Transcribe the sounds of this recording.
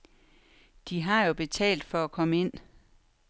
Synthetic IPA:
d̥iɦɑ̈jo̝b̥e̝t͡sʰɛ̰ːld̥fɒ̽ækʰɒ̽məe̝n̰

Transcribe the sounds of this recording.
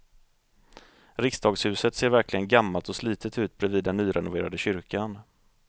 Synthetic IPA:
ɾɪksd̪ɑːɡshʉ̟ːsət̪seːɾvæɾklɪɡənɡamːalt̪ɔsliːt̪ət̪ʉ̟ːt̪̚bɾɛviːd̪ːɛnːyːɾɛnʊvḛːɾad̪əɕʏɾkan

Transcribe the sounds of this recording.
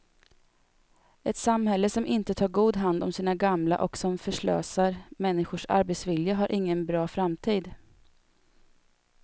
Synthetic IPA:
ʔɛt̪samhɛlːəsɔmʔɪnt̪ət̪ʰɑːɾɡuːd̪ɦand̪ɔmsiːnaɡamla̰ʔɔksɔmfœʂɭø̰ːsaɾmɛnːɪɧʊʂa̰ɾbɛt̪svɪljaɦaɾʔɪŋːənbɾɑːfɾamt̪ʰiːd̪

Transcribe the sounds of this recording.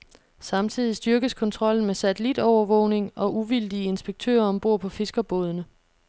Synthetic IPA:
sɑ̈mt͡sʰið̞̰ˠisd̥ɶɐɡ̥əskʰɒ̽nt͡sʰʁɒ̽l̰n̩mesæt͡sʰelid̥ɒʊɐʋɔʊne̝ŋɒ̽ʔuʋild̥iəe̝nsb̥eɡ̥̚t͡sʰø̰ːɐɒ̽mb̥o̝ɐ̰pʰɒ̽fe̝sɡ̥ɐb̥oð̞ˠənə

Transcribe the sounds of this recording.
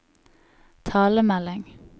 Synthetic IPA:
t̪ʰɑːləmælɪŋ

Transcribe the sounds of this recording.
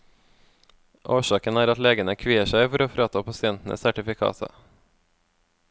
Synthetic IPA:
ʔoːʃɑːkənæːɾɑt̪leːɡənəkʰʋiːəʃæɪfɔɾoːfɾɑːt̪ʰɑːpʰɑsɪɛnt̪n̩ʔə̰sæʈɪfɪkʰɑ̰ːt̪ʰɑ̰

